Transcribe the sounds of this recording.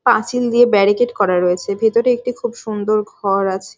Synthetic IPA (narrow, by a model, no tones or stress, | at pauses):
pasild̪iebɛɾikeʈkɔɾaɾoet͡ɕʰebʱet̪oɾeek̚ʈikʰubʃund̪oɾɡʱɔɾat͡ɕʰe̥